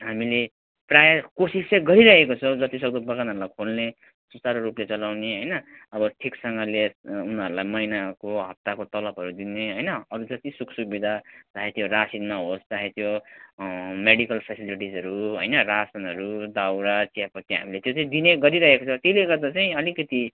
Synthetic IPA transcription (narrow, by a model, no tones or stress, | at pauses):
ɦamile | prajakosiseɡʌɾiɾʌɦekot͡sʰʌwd͡zʌt̪isʌd̪obʌkanɦʌɾulajkʰolne | susaɾoɾuplet͡sʌlawneɦʌjnʌ | ʌbʌʈʰiksʌŋɡʌleunʌɾulajmʌjnakoɦʌp̚t̪akot̪ʌlʌbɦʌɾud̪ineɦʌjnʌʌɾud͡zʌt̪isuksukbid̪ʱad͡zaɦet̪ʰjoɾasinmaɦostaɦet̪ʰjo | meɽikʌlpʰesiliʈid͡zʌɾuɦʌ̰jnʌrasʌnɦʌɾud̪awɾat͡siapʌt̪iɦa̰milet̪jot͡saĩd̪ineɡʌɾiɾʌɦekot͡sʰʌt̪eleɡʌrd̪at͡saĩʌlikʌt̪i